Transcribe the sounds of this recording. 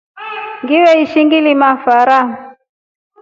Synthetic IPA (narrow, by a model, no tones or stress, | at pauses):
ŋɡiwɛiʃiŋɡilimafaɾam